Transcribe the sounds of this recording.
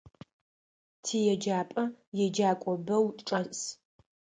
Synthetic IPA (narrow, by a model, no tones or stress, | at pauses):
tʰiːjɛd͡ʒaːpʼɐjɛd͡ʒaːkʷʼɔbɐwʼʈ͡ʂʼɐs